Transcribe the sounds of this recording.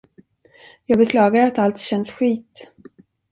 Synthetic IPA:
jɑːɡbɛkʰlɑːɡaɾɾat̪alt̪ɕɛnsɧiːt̪

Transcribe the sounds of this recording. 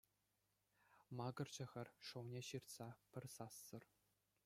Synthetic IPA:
mɑɡɤ̆rd͡ʑɘ̆ʁʲɘ̆rʲʂɤ̆wnʲeɕirt̪sɑpʲɘ̆rʲsɑsːɤ̆r

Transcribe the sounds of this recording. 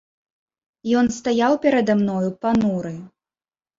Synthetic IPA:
jɔnst̪ajawpʲɛɾɐd̪amnɔjupanuɾɨ

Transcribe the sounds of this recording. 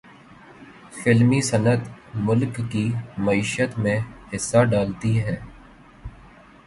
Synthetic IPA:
fɪlmisɐnət̪mʊlkːimɐiːʃət̪mẽhɪsːaɖaːlt̪iɦɛː

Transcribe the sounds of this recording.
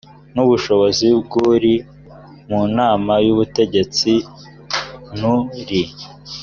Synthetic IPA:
nuβuʃo̞βo̞zib̚ɡuːɾi | munaːmajuβute̞ɟe̞t͡si | nuɾi

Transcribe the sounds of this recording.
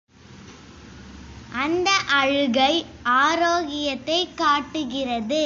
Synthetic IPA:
ʔɐnd̪ɐʔɐɻɯɣɐɪaːɾoːɣɪjɐt̪ːɐɪkːaːʈːɯɣɪrɐðɯ

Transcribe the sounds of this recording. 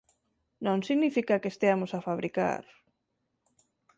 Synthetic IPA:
nõŋsiɣnifikakest̪eamʊsafaβɾika̰ɾ

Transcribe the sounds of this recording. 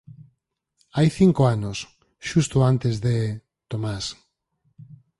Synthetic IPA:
ajθiŋkoanos | ʃust̪oant̪ezðe | t̪omas

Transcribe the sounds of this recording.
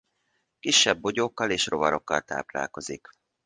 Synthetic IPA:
kiʃːɛbːo̞ɟoːkːɒleːʃro̞vɒɾo̞kːɒlt̪a̰ːpla̰ːlko̞zik

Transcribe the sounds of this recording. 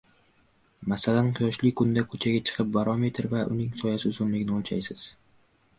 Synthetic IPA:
masalanqʰɨjɒʃlɪkʰʊnd̪akʰɵt͡ʃʰaɡʲat͡ʃʰɨ̥qʰɨp̚baɾɒme̞t̪ʰɪɾvaʔʊ̰nɪŋsʰɒjasɪzomlɪkʲnɪolˠt͡ʃʰa̰jsɪz̥

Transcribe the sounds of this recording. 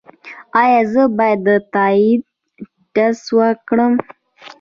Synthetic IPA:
ɑjɑzəbɑjad̪ːət̪ɑid̪̚ | ɖaswəkɽəm

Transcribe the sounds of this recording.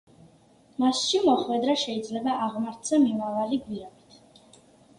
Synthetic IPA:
masʃimɔχwɛd̪ɾaʃɛid̪zlɛbaʔaʁmaɾt̪sʰamimavaliɡviabit̪ʰ

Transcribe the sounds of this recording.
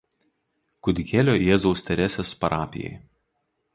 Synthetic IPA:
kʊd̪ʲɪkʲeːlʲoːjeːzɔʊsʲt̪ʲɛɾʲæːsʲespɐɾʔɑːpʲɪ̰jɛ̰ɪ

